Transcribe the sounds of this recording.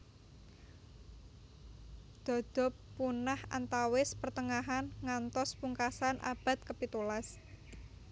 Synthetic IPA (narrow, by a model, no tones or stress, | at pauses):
d̪̥ɔ̤d̪̥ɔ̤pːunaha̰nt̪awɪspərt̪əŋaɦanŋant̪ɔspuŋkasanʔa̰b̥a̤t̪̚kəpit̪ulas